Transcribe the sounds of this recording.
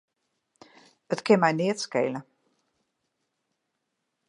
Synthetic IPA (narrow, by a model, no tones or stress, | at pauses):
ətkɪnmɛjnɪətskeːlə